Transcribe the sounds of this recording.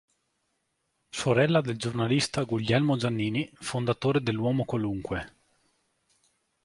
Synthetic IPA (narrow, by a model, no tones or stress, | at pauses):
soɾɛlːad̪eld͡ʒornalist̪aɡiʎːɛlmod͡ʒanːiːnifond̪at̪oːɾed̪elːwɔːmokwaluŋkwe